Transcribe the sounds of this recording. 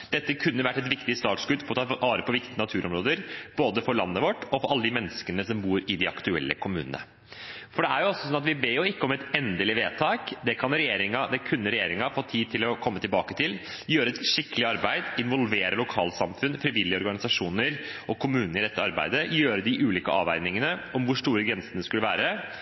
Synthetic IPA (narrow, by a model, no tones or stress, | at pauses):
d̪̥ɛt̪ːəkʰʉnːəʋæʈːɛt̪̬ʋɪkt̪ɪst̪ɑːt̪sɡʉd̪pʰɔɔt̪ʰːɑːɾəpʰɔʋɪkt̪ɪənɑt̪ʰʉːɾɔmɾoːd̪əɾb̥oːd̪əfɔɾɭɑnːəʋɔʈːɔfɔɾɑlːəd̪ɪmɛnːəskənəsɔmbuːɾɪd̪ɪɑkt̪ʉɛ̰lːə̰kʰʊmʉːənə̰ | fɔɖɛæɾjʊɔsɔsɔnːɑt̪ʋɪbeːjʊɪkːəɔmɛt̪ɛnd̪əlɪʋeːt̪ʰɑːkd̪ɛkʰɑnɾɛjeːɾɪŋɑd̪ɛkʰʉnːəɾɛjeːɾɪŋɑfoːt̪ʰiːd̪̚t̪ʰɪlɔkʰɔmːət̪ʰɪlbɑːkət̪ʰɪl | jøːɾəɛt̪ʂɪkːəlɪɑɾbæɪd̪ɪnʋɔlʋeːɾəlʊkʰɑ̰ːlsɑmfʉnfɾɪʋɪlːɪəɔɾɡɑnɪsɑʂuːnəɾʔɔkʰʊmʉːnəɾɪd̪ɛt̪ːəɑɾbæ̰ɪd̪əjøːɾəd̪ɪʔʉːliːkəɑ̰ːʋæɪnɪŋənəɔmʋʊʂʈuːɾəɡɾɛnsənəskʉlːəʋæ̰ːɾə